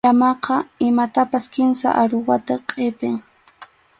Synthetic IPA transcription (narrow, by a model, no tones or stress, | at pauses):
amɑqɑɪmat̪apaskɪnsa̰ʔaɾʊwat̪aqʼɪpɪŋ